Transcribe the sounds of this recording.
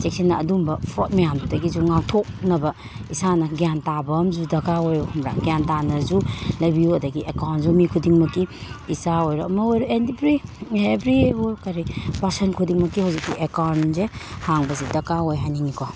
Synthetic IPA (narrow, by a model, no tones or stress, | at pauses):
t͡ʃek̚sinːɐːdumbɐpʰot̚majamdudɐɡizuŋak̚tʰok̚nɐbɐ | isanɐɡjantabɐmzudɐkaojumɾa̰ɡjantanɐɾzulɐjbijuɐdɐɡiʔekawnzumikʰudiŋmɐkːiisaojɾɔɐmɐojɾɔendibɾiebɾiɦojkaɾipɐsenkʰudiŋmɐkːihawzik̚siʔekawnzehaŋbɐsidɐkaojɦajninikʰɔ